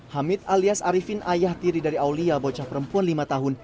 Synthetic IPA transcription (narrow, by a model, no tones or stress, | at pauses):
hamɪt̪̚aliasaɾifinʔajaht̪iɾidaɾiawliabot͡ʃapəɾəmpuanlimat̪aɦʊn